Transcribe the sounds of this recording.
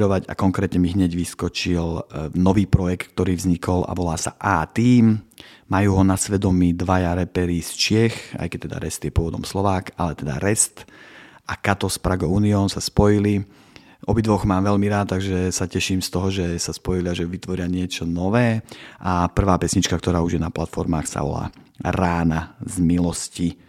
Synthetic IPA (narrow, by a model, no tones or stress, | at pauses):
ɾɔʋaɟa̰kɔŋkɾɛːt̪ɲɛmiɦɲɛɟʋiskɔt͡ʃilnɔʋiːpɾɔjɛk̚t̪k̚t̪ɔɾiːvzɲikɔla̰ʋɔlaːsa̰ʔaːt̪iːm | majuːɦɔnasʋɛd̪ɔmid̪ʋajaɾɛpɛɾiːst͡ʃɪɛxa̰jkɛc̚t̪ɛd̪a̰ɾɛst̪jɛpʊɔʋɔd̪ɔmslɔʋaːkalɛt̪ɛd̪a̰ɾɛst̪ʔakat̪ɔspɾaɡɔuːniɔːnsaspɔjili | ʔɔbid̪ʋɔɣmaːmʋɛlmiɾaːt̪̚t̪ːaɡʒɛsacɛʃiːmst̪ɔɦɔʒɛsaspɔjiliaʒɛʋit̪ʋɔɾɪaɲɪɛt͡ʃɔnɔʋɛːʔapr̩ʋaːpɛsɲit͡ʃkak̚t̪ɔɾaːuʒjɛnaplat̪fɔɾmaːxsa̰ʋɔ̰la̰ː | ɾaːnazmilɔsci